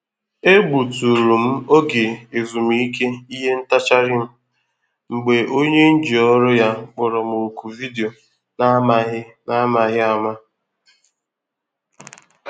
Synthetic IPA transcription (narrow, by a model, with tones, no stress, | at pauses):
e˦ɡ͡bu˨tu˨ɾu˨m̩˦o˦ɡe˨e˨zu˨m˨i˦ke˦i˦ɦe˦n̩˦ta˦t͡ʃa˦ɾɪ˦m̩˦ | ŋ͡m̩˨ɡ͡be˨ʔo˦ɲe˦n̩˦d͡ʒi˨ɔ˦ɾʊ˦ja˦k͡pʊ˨ɾɔ˨mu˨ku˨vi˦di˨o˨ | na˦ma˦ɦɪ˦na˦ma˨ɦɪ˦a˨ma˦